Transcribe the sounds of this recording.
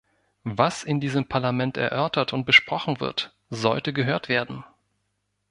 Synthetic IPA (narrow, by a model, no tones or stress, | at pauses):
vasɪndiːzəmpʰaɐlamɛntɛ̰ɐʔœɐtʰɐtʊnt̚b̥əʃpʁ̥ɔχn̩vɪ̰ɐt | zɔ̰ltəɡəɦøːɐtv̥eːɐdn̩